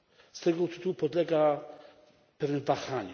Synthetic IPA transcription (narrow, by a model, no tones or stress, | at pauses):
st̪ɛɡɔt̪ɘ̥t̪uwupɔd̪lɛɡa | pɛvʲnɛvaxaɲɛ